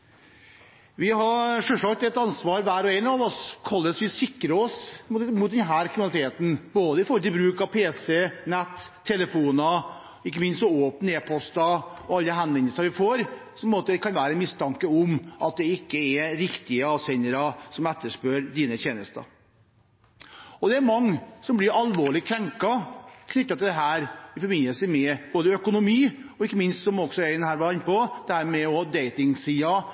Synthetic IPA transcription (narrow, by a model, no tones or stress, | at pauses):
ʋɪɦɑʂœʂɑk̚t̪ɛt̪ɑnsʋɑːɾʋæːɾɔɛnɑʋɔskʰɑlːəsʋɪsɪkːɾəɔsmt̪mut̪̚d̪ɛnɦæːɾkʰɾɪnɑlɪt̪ʰeːt̪n̩boːd̪əɪfɔɾlət̪ɪlbɾʉːkɑʋpʰeːsɛnɛt̪ʰːɛləfuːnɑ | ɪkːəmɪnst̪ɔoːpən̩eːpʰɔst̪ɑɔɑlːəɦɛnʋɛnd̪əsəʋɪfoːɾsɔmpmoːt̪əkʰɑnʋæːɾəmɪst̪ʰɑŋkəɔmʔɑt̪̚d̪ɛɪkːəɛɾɪkt̪ɪəɑːʋsɛɪnəɾɑsɔmɛt̪ːəʂpøːɾd̪iːnət̪jeːnəst̪ɑ̰ | ɔd̪ɛæɾmɑŋːsɔmblɪɾɑlʋoːɭɪkʰɾɛŋkɑkʰnʏt̪ːɑt̪ɪld̪ɛɦæːɾɪfɔɾbɪnəlsəmɛb̥oːd̪əœkʊnʊmiːɔɪkːəmɪnst̪sɔmɔɡsɔjæd̪ɛnhæːɾʋɑɪnːəpɔd̪̥ɛhæːɾmɛɔd̪eɪt̪ɪŋsiːɑ